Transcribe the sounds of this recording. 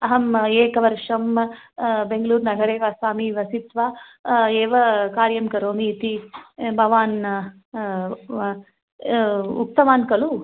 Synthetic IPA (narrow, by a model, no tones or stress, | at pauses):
ɐɦɐmeːkɐʋɐɾʂɐm | beŋɡɐluːɾnɐɡʱɐɾeːʋasaːmiʋɐsit̪ʋaːeːʋɐkaːɾjɐmkɐɾoːmiːt̪ibʱɐʋaːn | uk̚t̪ɐmaːnkɐlu